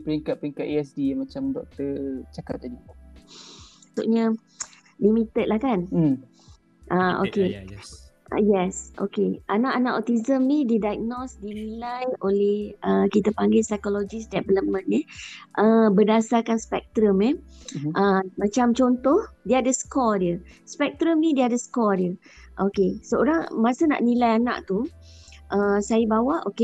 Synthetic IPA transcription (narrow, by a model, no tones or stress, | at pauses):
pəɾiŋkat̪̚pəɾiŋkat̪eɛsdimat͡ʃamdɔ̰k̚t̪ət͡ʃaka̰t̚t̪adi | sṵʔɲə | limit̪ət̪lahkan̩ | ʔaʔo̰kḛ | jɛsʔo̰keanaʔanaʔɔt̪izəmnididajk̚nɔsdinilajʔolɛhəkit̪əpaŋɡɪlsajkolod͡ʒisdɛbələmə̃nɛʔəbərdasarkanspɛk̚t̪ɾəmɛʔəmãt͡ʃamt͡ʃont̪ɔhdiəadəsə̥kɔdiəspɛk̚t̪ɾəmnĩdiəadəsə̥kɔdiə | ʔokesooɾaŋmasəna̰ʔnilajanã̰ʔt̪u | ʔəsajəbawaʔoke